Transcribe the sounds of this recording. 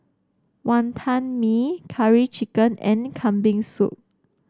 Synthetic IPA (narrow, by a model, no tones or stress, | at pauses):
wʔãntʰãnmikʰaɹit͡ʃikə̃nɛ̰̃nkʰãmbĩŋsṵk̚